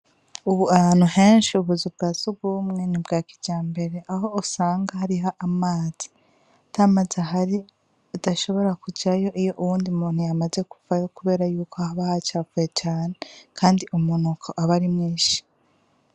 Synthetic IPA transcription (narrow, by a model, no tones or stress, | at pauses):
uβuanuɦe̞ːnʃiuβuzub̚ɡaːzuɡɡumŋe̞nibɡaːkiɟaːmbe̞ɾe̞ʔaɦo̞usaːŋɡaɦaɾiɦaʔamaːz̥i̥ | tʰamazaɦaɾi | udaʃo̞βo̞ɾakud͡ʒajo̞ʔijo̞ʔuβuːndimuːn̥hujamaze̞ku̥vajo̞kuβe̞ːɾajuːkʰohaβahat͡ʃaːvujet͡ʃaːnekʰaːndiʔumunukʰo̞ʔaβaɾimŋiːʃi̥